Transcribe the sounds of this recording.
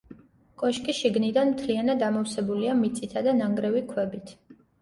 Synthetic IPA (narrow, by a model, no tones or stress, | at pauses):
kʼɔʃkʼiʃiɡnid̪anmt̪ʰlianad̪amɔfsɛbuliamit̪sʼit̪ʰad̪anaŋɡɾɛvikʰwɛbit̪ʰ